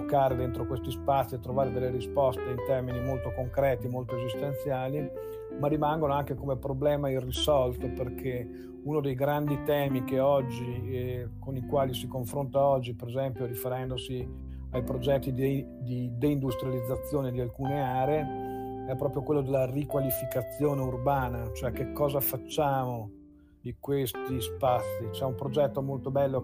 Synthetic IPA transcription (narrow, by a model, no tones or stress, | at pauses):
kːaːɾed̪ent̪ɾokwest̪ispat̪sːiet̪ːɾovaːɾed̪elːeɾispɔst̪eint̪ɛrminimolt̪okoŋkɾɛːt̪imolt̪oezist̪ent̪sjaːli | marːimaŋɡonoaŋkekomepɾoblɛːmairisɔlt̪operkʰe | unod̪ejɡɾand̪it̪ɛːmik̟eɔd͡ʒːikonikwaːlisikoɱfɾont̪aɔd͡ʒːipeɾezɛmpjoɾifeɾɛnd̪osi | ajpɾod͡ʒɛt̪ːid̪ | d̪id̪eind̪ust̪ɾjalid̪zːat̪sːjoːned̪ialkuːneaːɾee | ɛpːɾɔːpɾjokwelːod̪elːarikwalifikat̪sːjoːneurbaːnat͡ʃoɛkekːɔːzafat͡ʃːaːmo | d̪ikwest̪ispasːit͡ʃɛumpɾod͡ʒɛt̪ːomolt̪obɛlːo